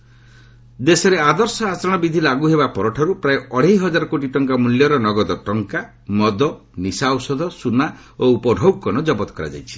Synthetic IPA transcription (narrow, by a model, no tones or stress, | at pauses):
d̪esɔɾead̪ɔɾsɔat͡ʃɔɾɔɽ̃ɔbid̪ʱilaɡuɦebapɔɾɔʈʰɔɾupɾaeɔɽ̤eɦjɦɔd͡ʒaɾɔkoʈiʈɔŋkamuljɔɾɔnɔɡɔd̪ɔʈɔŋka | mɔd̪ɔ | nisawsɔd̪ʱɔsuna | oupɔɖʱɔwkɔnɔd͡ʒɔbɔt̪ɔ̥kɔɾa̰d͡ʒa̰jt͡ʃʰi̥